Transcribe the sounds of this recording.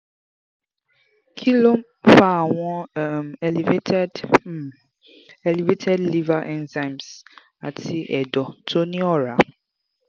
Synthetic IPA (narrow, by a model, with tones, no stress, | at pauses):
kʰi˦lo˦m | fa˦˨wɔ̃˦˨mɛ˨li˨ve˦tʰɛ˦d | ɛ˨li˨ve˦tʰɛ˦dli˦va˦ʔɛ̃˦nzã˦˨ms | a̰˨tʰi˦ʔɛ˨dɔ˨tʰo˦nĩ˦ɔ˦ɾa˨